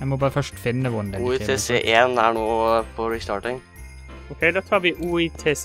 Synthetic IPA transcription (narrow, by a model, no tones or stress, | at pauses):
æɪmɔbɑːɾəfœʂʈfɪnːəʋʊnd̪ɛit̪ːʰeseːʔeːnæɳoːpʰɔɾɪst̪ɑːʈɪŋ | ɔkʰɛɪd̪ɑːt̪ʰɑːʋɪʔuːit̪ʰeːs